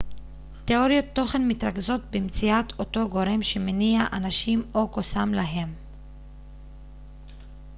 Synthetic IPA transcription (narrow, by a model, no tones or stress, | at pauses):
te̞o̞ʁjot̪ːo̞χe̞nmit̪ʁaɡzo̞t̪bemt͡siato̞to̞ɡo̞ɾe̞mʃemeniaʔanaʃimo̞ko̞samlaɦe̞m